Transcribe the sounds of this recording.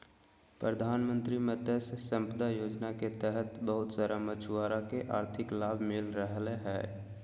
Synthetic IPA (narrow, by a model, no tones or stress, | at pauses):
pɾəd̪ʱaːnmə̃nt̪ɾimət̪essə̃mpəd̪ajoːd͡ʒnaket̪ɛɦət̪bəɦʊt̪saɾamət͡ʃʰʊaːɾakeʔaːɾt̪ʰɪklaːbʱmɪlɾəɦleɦɛː